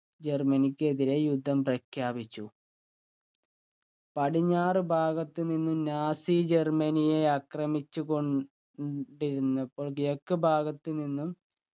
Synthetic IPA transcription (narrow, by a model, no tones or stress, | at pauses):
d͡ʑe̞rmɐnikʲːeðile̞jud̪ʱːɐmprɐkʰjaːbit͡ɕːu | pɐɽiɲːaːrɨbʱaːɡɐt̪ːɨninːumnaːsid͡ʑe̞rmɐnijeɐkrɐmit͡ɕːuko̞ɳ | ɖiɾunːɐpːo̞ːɭɡijokːɐbʱaːɡɐt̪ːɨninːum